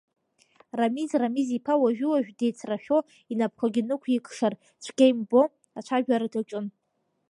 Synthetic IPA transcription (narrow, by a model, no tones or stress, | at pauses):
ramizramizipʰawaʒᶣuwaʒᶣdejt͡sʰraʃᶣo | inapʰχʷaɡʲinɨkʷʰikʰʼʂar | t͡ʃʷʰɡʲejmbo | at͡ʃʷʰaʒᶣaɾadat͡ʃʼɨn